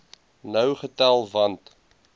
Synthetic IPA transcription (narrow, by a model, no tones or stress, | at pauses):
nəwχətælˠvɐnt